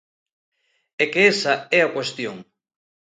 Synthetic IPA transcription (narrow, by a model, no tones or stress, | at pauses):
ekeesaɛakwest̪joŋ